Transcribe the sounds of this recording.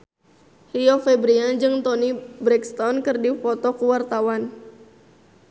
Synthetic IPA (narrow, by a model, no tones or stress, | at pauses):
hiɔfɛbɾiad͡ʒɨŋt̪ɔnibɾɛkst̪ɔnkɨrdifɔt̪ɔkəwart̪awan